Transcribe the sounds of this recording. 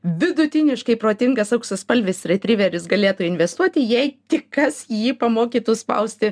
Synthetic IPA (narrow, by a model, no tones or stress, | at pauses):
ʋʲɪd̪ʊt̪ʲɪnʲɪʃkɐɪpɾoːt̪ʲɪŋɡɐsɐʊksʲɐspɐlʲʋʲɪsɾʲɛt̪ʲɾʲiʋʲɛɾʲɪsɡɐlʲeːt̪uɪnʲʋʲɛst̪uɔt̪ʲɪjɛɪt̪ʲɪkkɐsjiːpɐmoːkʲiːt̪ʊspɐ̰ʊsʲt̪ʲɪ